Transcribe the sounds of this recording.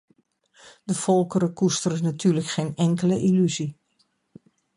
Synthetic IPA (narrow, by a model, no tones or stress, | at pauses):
dəfɔlˠkəɾəkustəɾənatʰyːrləkχeːnɛŋkələʔilyzi